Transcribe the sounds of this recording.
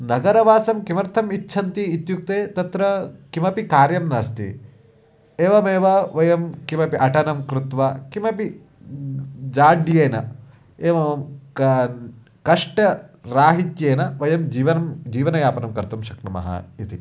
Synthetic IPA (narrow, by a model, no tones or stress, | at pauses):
nɐɡɐɾɐʋaːsɐmkimɐɾt̪ʰɐmitːʃʰɐnt̪iːt̪juk̚t̪eːt̪ɐt̪ɾɐkimɐpikaːɾjɐmnaːst̪ḭ | eːʋɐmeːʋɐʋɐjɐmkimɐpiʔɐʈɐnɐmkɾut̪ʋɐkimɐpi | d͡ʒaːɖjeːnɐ̰ | eːʋɐɐm | kɐʂʈɐɾaːɦit̪jeːnɐʋɐjɐmiːʋɐnɐmd͡ʒiːʋɐnɐjaːpɐnɐmkɐɾt̪umʃɐknɐmɐ̰ɦɐ̰it̪i